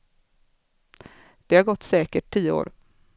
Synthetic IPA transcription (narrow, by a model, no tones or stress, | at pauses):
d̪̥ɛhaɾɡɔt̪ːsɛːkəʈʰːiːəo̰ːɾ